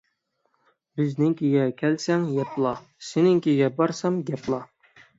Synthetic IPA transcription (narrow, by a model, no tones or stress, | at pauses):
bɪznɪŋkʲʰiɡʲɛkʲʰælsæŋjɛplˠɑ | senɪŋkʲiɡʲɛbɑɾsɑmɡɛplˠɑ